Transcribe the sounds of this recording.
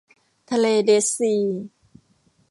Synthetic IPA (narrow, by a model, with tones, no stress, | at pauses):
t̪ʰa˧leː˧de˨˦siː˧˩